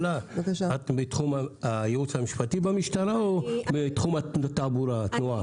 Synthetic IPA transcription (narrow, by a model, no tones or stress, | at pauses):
laakaʃaat̪bet̪χumaajeut͡shamiʃpat̪ibamiʃt̪aɾaobet̪χumat̪abuɾat̪nua